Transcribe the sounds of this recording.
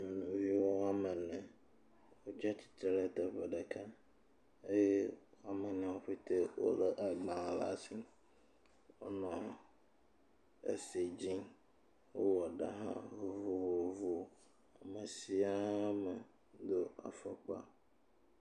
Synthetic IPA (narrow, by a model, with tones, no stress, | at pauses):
nũ˨vi˦wɔ˦a˦mɛ̃˨nɛ̃˨ | wo˦d͡ʑa˦t͡ɕi̥˨t̪ɾɛ˦t̪ɛ˨ɸɛ˨ɖɛ˨kʰa˦ | e˦je˦a˦mɛ̃˨nĩ˨wo˦ɸe˦t̪e˦wo̰˨lɛ˦ʔa˨ɡ͡bã˨la̰˨˦si˦ | wo̰˦nɔ̃˨ | ḛ˨se˨d͡ʑĩ˦ | wo˦wɔ˨ɖa̰˨ɦã̰˦vo˨vo˨vo˨vo˨ | a˨mɛ˨si˦a˦mɛ˨ | d̪o˦a̰˨fɔ˦k͡pa̰˦